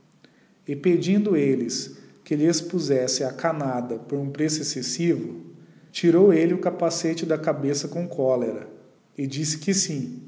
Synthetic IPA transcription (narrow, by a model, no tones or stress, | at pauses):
ɪped͡ʒĩnd̪ʊelɪskɪlɪespuzɛsɪakanad̪ɐpoɾũpɾesʊesesivʊ | t͡ʃiɾowelɪʊkapaset͡ʃɪd̪ɐkabesɐkõkʰɔleɾɐ̰ | ɪd͡ʒisɪ̥kɪsĩ